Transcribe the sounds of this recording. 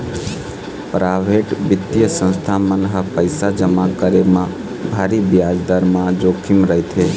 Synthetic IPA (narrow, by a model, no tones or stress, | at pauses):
pɾaʋeʈbɪt̪ːijəsə̃nst̪ʰamənɦapəjsad͡ʒəmakəɾemã | bʱaɾibjad͡ʒd̪aɾmãd͡ʒokʰimɾəɦet̪ʰe